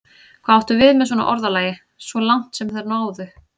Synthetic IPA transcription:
kʰvaawht̪ʏvɪðmɛðswɔna̰ʔɔɾðalaːjɪ | svɔlaŋ̥t̪sɛmθɛɾnaːwðʏ

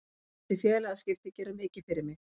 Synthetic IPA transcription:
sɪfjɛːlɛɣascɪft̪ɪcɛːɾʏmɪːcɪfɪɾɪɾmɪɣ

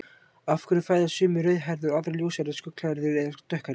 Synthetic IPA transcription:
afkʏɾʏfaːjðasʏːmʏɾœːɥðɦaɾðʏɾaðɾljowsaɾɪskʏkl̥aɾðʏɾɛðat̪œhka

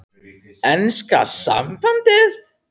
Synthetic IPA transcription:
ɛnska̰sa̰mfant̪ɪð

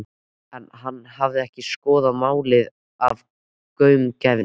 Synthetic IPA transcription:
ɛnɦanːhavðɪɛhcɪskɔːðamaːwlɪð | av | kœːɥmcaːjvɪ

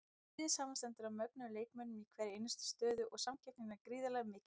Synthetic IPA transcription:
ðɪsaːmanst̪ɛnt̪ʏɾamœk̚naleːjkmɛnːʏmikʰvɛːɾɪejnʏst̪ɪ̥st̪œːðʏʔɔɣsamcʰɛp̚nɪnːakɾiːðalɛɣmɪːcɪ

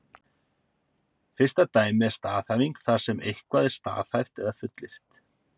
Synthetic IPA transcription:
fɪr̥st̪at̪aːjmɪɛɾst̪aːθaviŋkθḁsɛmejhkvaːðɪɾ̥st̪a̰ːθhajr̥t̪ɛɣðafʏt̪lɪr̥t̪

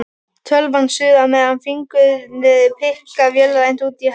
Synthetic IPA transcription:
t̪ʰœlvansʏðamɛðanfiŋkʏðmɪðpʰɪhkavjœlɾajn̥t̪uːt̪i

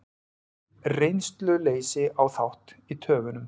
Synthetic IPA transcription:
rejnst̪lʏleːjsɪawθawht̪it̪ʰœːvʏnʏm

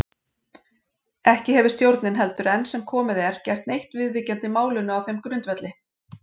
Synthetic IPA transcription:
ɛhcɪɦɛvʏ̥st̪jowɾt̪nɪnɦɛl̪t̪ʏɾɛnːsɛmkʰɔːmɪðɛɾ̥cɛjr̥t̪nejht̪vɪðviːcɛnt̪ɪmaːwlʏnʏawθejmkɾʏnt̪vɛt̪lɪ

